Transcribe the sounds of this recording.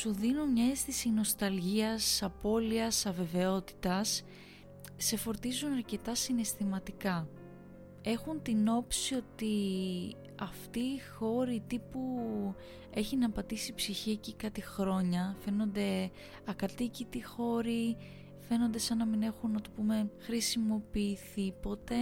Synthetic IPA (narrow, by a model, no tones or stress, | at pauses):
suðinomɲɐest̪isino̞st̪ɐlʝiɐsɐpo̞liɐsɐve̞ve̞o̞t̪i̥t̪ɐsː | e̞fo̞ɾt̪izunɐɾce̞t̪ɐsinest̪imɐt̪ikɐ | e̞xunt̪ino̞psio̞t̪i | ɐft̪iːxo̞ɾit̪ipu | e̞çinɐpɐt̪isipsiçiecikɐt̪ixɾo̞ɲɐfe̞no̞nd̪e̞ | ɐkɐt̪icit̪ixo̞ɾi | fe̞no̞nd̪e̞sɐnɐmine̞xunːɐt̪opume̞xɾisimo̞piːθipo̞t̪e̞